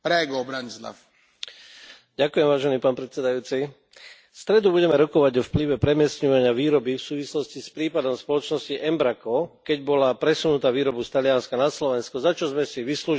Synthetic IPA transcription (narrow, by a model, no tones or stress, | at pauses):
ɾɛɡɔbɾaɲsla̰f | ɟakujɛmʋaːʒɛniːpaːnpɾɛt̪sɛd̪ajuːt͡si | fst̪ɾɛd̪ubuɟɛmɛɾɔkɔʋaɟɔfpliʋɛpɾɛmɪɛsɲɔʋaɲɪaʋiːɾɔbifsuːʋislɔscispɾiːpad̪ɔmspɔlɔt͡ʃnɔsciʔɛmbɾakɔkɛɟbɔlapɾɛsunut̪aːʋiːɾɔbust̪alijanskanaslɔʋɛnskɔzat͡ʃɔzmɛsiʋisluː